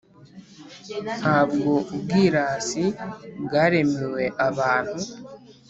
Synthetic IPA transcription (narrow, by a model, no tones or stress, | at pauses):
naβɡobɡiɾaːsiɡaɾemiwe̞ʔaβaːn̥hu